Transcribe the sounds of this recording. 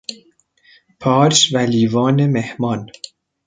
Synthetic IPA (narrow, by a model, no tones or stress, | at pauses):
pʰɒːɾʃvæliːvɒːnemehmɒːn